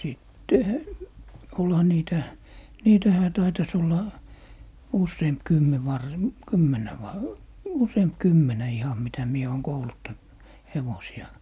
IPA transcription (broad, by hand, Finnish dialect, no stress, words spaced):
siˑtːehæ olhɑ niːtæ niːtæhæ tɑitɑs olːɑ usːeːmp kymːe ʋɑr kymːenæ ʋɑ useːmp kymːenæ ihɑm mitæ mie oːŋ koulutːɑnt heʋosiɑ